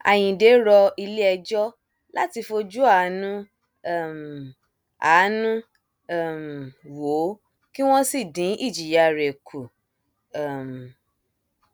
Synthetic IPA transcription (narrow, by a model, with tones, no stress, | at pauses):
a̰˨j̃ĩ˨de˨˦ɾɔ˧i˧le˦ɛ˧d͡ʒɔ˦ | la˦ti˧fo˧d͡ʒu˦a˨˦nũ˦˨ | m˨ | aː˨˦nũ˦˨ | m˨wo˨˦ | ki˦w̃ɔ̃˦si˦˨dĩ˨˦ʔi˦˨d͡ʒi˨ja˨ɾe˨kʰu˨ | m˨